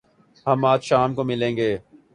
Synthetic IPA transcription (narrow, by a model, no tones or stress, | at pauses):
ɦɐmaːd͡ʒʃaːmkomɪlẽːŋɡeː